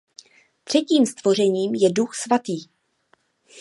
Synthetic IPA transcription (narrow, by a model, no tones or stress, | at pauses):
t̪r̝̥ɛciːmst̪vo̞r̝ɛɲiːmjɛduxsvat̪iː